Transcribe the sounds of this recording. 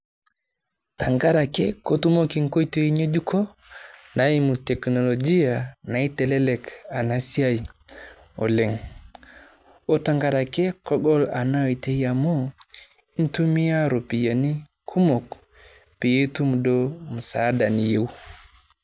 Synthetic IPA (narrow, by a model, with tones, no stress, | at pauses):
ta˨ŋɡa˦ɾakɛ˦kotu˦moki˨ŋko˦jto˦i˦ɲe˦d͡ʒu˦kʰɔ˦ | naji˦mutɛ˨kno˨lod͡ʒi˦jana˨i˦tɛ˨lɛ˦lɛka˨nasi˦aji | ɔ̰˨le˨ŋ | o˦taŋɡaɾakɛ˦kɔ˦ɡɔ˦la˨na˦wi˨te˦jamo˦ | i˦ntu˦mi˦ja˦ɾo˨pi˨ja˨ni˦ | kʰu˦mo˨k | pi˨je˦tu˦mdomu˨sada˨ni˨je˦w